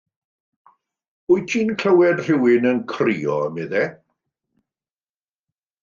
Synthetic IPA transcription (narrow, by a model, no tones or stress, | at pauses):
ʊjtʰiːnkʰləwɛd̥r̥ɪwɪnənkʰriːɔ̰mɪðɛ